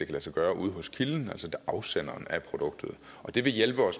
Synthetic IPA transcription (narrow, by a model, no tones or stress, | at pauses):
d̥e̝kʰælæsɒɡ̥ɶːɐʔuːð̞̩ˠɦɔ̽skʰiln̩æl̰sɒdʔɑ̈ʊsen̰ɐːnæpʰʁo̝d̥ɔ̽ɡ̥̚d̥ð̞̩ˠ | ɒ̽d̥e̝ʋe̝jelb̥əɒ̽s